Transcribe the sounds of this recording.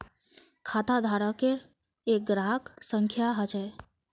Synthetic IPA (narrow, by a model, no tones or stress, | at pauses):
kʰat̪ad̪ʱaɾakeɾ | ek̚ɡɾaɦksəŋkʰjaɦat͡ʃe